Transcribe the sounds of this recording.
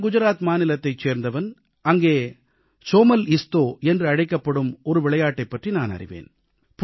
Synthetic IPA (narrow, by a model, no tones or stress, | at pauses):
ɡʊd͡ʒɐɾaːt̪maːnɪlɐt̪ːɐɪt͡ʃːeːɾnd̪ɐʋɐn | ɐŋɡeː | t͡ʃoːmɐlɪst̪oːɛndrɯɐɻɐɪkːɐpːɐɽɯmɔɾɯʋɪɭɐjaːʈːɐɪpːɐʈrinaːnɐ̰rɪ̰ʋḛːn | p